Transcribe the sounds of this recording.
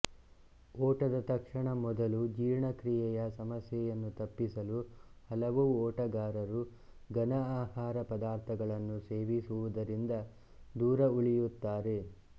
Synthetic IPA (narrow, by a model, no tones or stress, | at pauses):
ɔːʈɐd̪ɐt̪ɐkʂɐɳɐmɔd̪ɐlud͡ʒiːɾɳɐkɾijɛjɐsɐmɐsjɛjɐnːut̪ɐpːisɐluhɐlɐʋuɔːʈɐɡaːɾɐɾu | ɡɐnɐaːhaːɾɐpɐd̪aːɾt̪ʰɐɡɐɭɐnːuse̞ːʋisuʋud̪ɐɾind̪ɐ | d̪uːɾɐuɭijut̪ːaːɾe̞